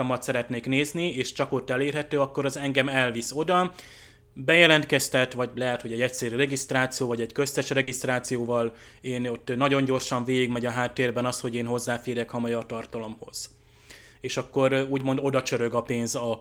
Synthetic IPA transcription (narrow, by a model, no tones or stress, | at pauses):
ɒmɒt̪sɛɾɛt̪neːkneːznieːʃt͡ʃɒko̞t̪ːɛleːrɦɛt̪øːɒkːo̞ɾɒzɛŋɡɛmɛlviso̞d̪ɒ | bɛjɛlɛnt̪kɛst̪ɛt̪ʋɒɟlɛɦɛt̪ho̞ɟɛɟɛcsɛɾyɾɛɡist̪raːt̪sijoːvɒɟɛɟkøst̪ɛʃrɛɡist̪raːt̪sijoːvɒl | eːno̞t̪ːnɒɟo̞ɲɟo̞rʃɒɱveːɡiɡmɛɟɒɦaːt̪ːeːrbɛnɒst̪ho̞ɟeːnɦo̞zːaːfeːɾɛkhɒmɒjɒt̪ɒrt̪ɒlo̞mho̞z̥ | eːʃɒkːo̞ɾuːɟmo̞nd̪o̞d̪ɒt͡ʃøɾø̞ɡɒpeːnzɒ